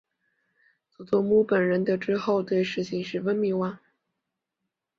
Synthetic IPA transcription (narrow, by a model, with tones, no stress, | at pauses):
t͡su˨˩t̪ɔ˥˩mu˥pə˨˩nɻə˧˥nd̪ə˧ʈ͡ʂɻ̩˥xo˥˧ʊt̪we˥˧ɪʂɻ̩˥˩t͡ɕʰi˨˩ŋʂɻ̩˥˩wə˥nmi˧˥wa˥˦ŋ